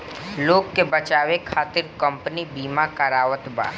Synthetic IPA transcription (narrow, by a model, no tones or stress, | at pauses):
loːɡkːebət͡ʃaːʋekʰaːt̪ɪɾkə̃mpnibiːmakɐɾaːʋət̪ba̰ːɾ